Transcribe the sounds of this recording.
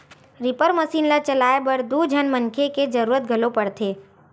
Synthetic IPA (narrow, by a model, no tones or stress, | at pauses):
ɾɪpəɾməsiːnlat͡ʃəlaːebəɾd̪ud͡ʒʱənmənkʰeked͡ʒəɾuːɾət̪̚ɡʱəlopəɽt̪ʰeː